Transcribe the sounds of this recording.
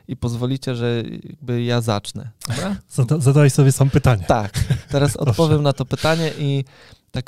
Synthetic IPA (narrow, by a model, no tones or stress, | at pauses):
ipɔzvɔlʲit͡ɕɛʐɛja̰ɡ̚bɘjaza̰t͡ʂnɛ̰d̪̥ɔbɾazaazad̪awajsɔbʲjɛsamɔpɘt̪aɲɛt̪akt̪ɛɾasɔ̰t̪̚pɔvjɛmnat̪ɔpɘt̪aɲɛʔi | t̪ak